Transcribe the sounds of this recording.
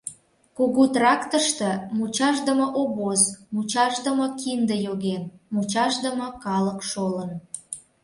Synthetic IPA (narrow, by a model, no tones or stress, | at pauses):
koɣut̪rɑkt̪əʃt̪ə̆mut͡ɕɑʒd̪əmə̆ʔoβozmut͡ɕɑʒd̪əməkind̪əjoɣenmut͡ɕɑʃd̪əmə̆kɑləkʃolən